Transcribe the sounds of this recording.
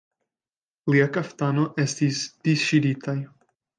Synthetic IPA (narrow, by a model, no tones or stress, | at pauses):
liakaft̪ano̞ʔe̞stisd̥isʃiditaj